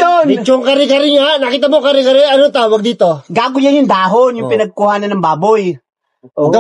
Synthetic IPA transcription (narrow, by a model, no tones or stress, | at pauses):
ont͡ʃoŋkɐɾɪkɐɾɪɲanɐkiːt̪ɐmokɐɾɪkɐɾɪɐnoŋt̪aːwɐɡ̚d̪iːt̪o̞ɡaːɡʊjanjʊŋd̪aːɦonjʊŋpɪnɐɡ̚kʊhaːnɐnːɐŋbaːboj | ɡ